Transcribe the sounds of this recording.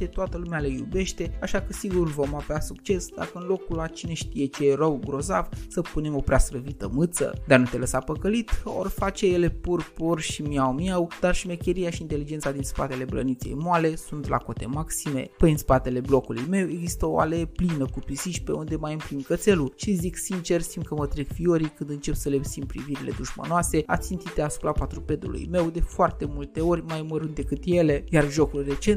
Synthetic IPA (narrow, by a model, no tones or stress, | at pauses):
t̪et̪oat̪əlumealejube̞ʃt̪e̞aʃakəsiɡurvo̞maveasukt͡ʃe̞sd̪a̰kəɨnlo̞kulat͡ʃine̞ʃt̪ije̞t͡ʃeeɾəwɡɾo̞za̰vsəpune̞mo̞pɾeasɾəvit̪əmɨt̪sə̰d̪anut̪e̞ləsapəkəlit̪o̞̰rfat͡ʃejele̞purpurʃimjawmjawd̪̥arʃime̞kʲe̞ɾijaʃiint̪e̞lid͡ʒe̞nt̪sad̪inspa̰t̪e̞le̞bɾə̰nit̪sḛjmoale̞sunt̪la̰ko̞t̪e̞̰maksime̞̰pəjɨnspat̪e̞le̞blo̞kulujme̞we̞ɡzist̪əoa̰leplinəkupisiʃpe̞und̪e̞majɨmpɾimkət̪se̞luʃiziksint͡ʃe̞rst̪imkəmət̪ɾeɡfioɾikɨnd̪ɨnt͡ʃe̞psəle̞psimpɾḭviɾile̞̰d̪uʃmə̰noase̞a̰t̪sint̪it̪easu̥pɾapat̪ɾupe̞d̪ṵlṵjme̞wd̪e̞foart̪e̞mult̪e̞o̞rʲmajməɾund̪e̞kɨt̪je̞le̞jarʒo̞kulre̞t͡ʃe̞nt̪